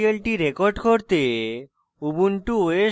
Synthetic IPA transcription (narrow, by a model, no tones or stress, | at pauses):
ielʈiɾekoɾɖkoɾt̪e | ubunʈuoe